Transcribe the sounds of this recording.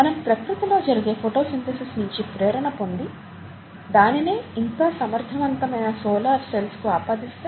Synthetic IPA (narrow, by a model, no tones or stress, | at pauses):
mɐnɐkupɾɐkɾut̪ɐloːd͡ʒɐɾiɡe̞ːpʰoʈo̞ːsint̪esisnuɲt͡ʃipɾɛːɾɐɳɐpo̞nd̪i | d̪aːnineːink̪aːsɐmɐɾt̪ʰɐʋɐnt̪ɐmɐjnɐsoːlaːɾselskuaːpaːd̪ist̪a